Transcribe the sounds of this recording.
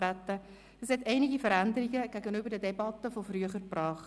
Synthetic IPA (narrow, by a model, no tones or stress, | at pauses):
ɾætːə | əshɛtɛɪniɡifəɾændəɾiɡəɡ̥æɡənybəɾdədebɑtəfofryəχəɾprɑːχ